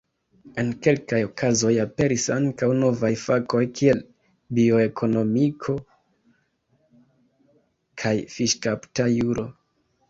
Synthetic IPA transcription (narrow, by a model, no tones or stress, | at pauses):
e̞nke̞lkajo̞kʰazo̞jape̞ɾisaŋkawno̞vajfako̞jkʰie̞l | bio̞e̞kʰo̞no̞mikʰo̞ | kʰajfiʃkaptajuɾo̞